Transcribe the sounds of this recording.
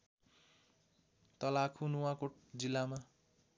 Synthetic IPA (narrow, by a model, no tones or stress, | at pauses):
t̪ʌlakʰunuwakoʈd͡zilːama